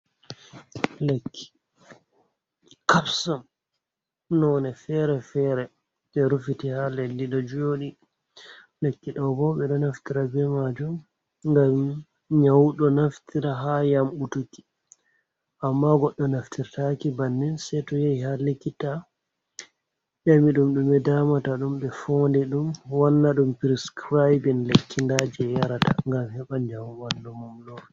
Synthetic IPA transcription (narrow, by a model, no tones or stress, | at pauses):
lekʰːi̥ | kapsam | nɔnɛfɛɾɛfɛɾɛ | ɓɛɾufitihalelːiɗɔd͡ʒjoːɗi | lekːiɗɔwbɔɓɛɗɔnaftiɾabɛmad͡ʒum | ŋɡam | ɲawɗɔnaftiɾaɦajamʔutuki̥ | ʔamːaɡɔɗːɔnaftʰiɾtakibanːɛnsɛtɔjɛjɦalekːita | jamiɗumɗumɛdamataɗumɓɛfɔndɛɗumwanːaɗumpɾiskɾajbinlekːindad͡ʒɛɛjaɾata̰ŋɡamhɛɓand͡ʒawwalːɔmumlɔɾ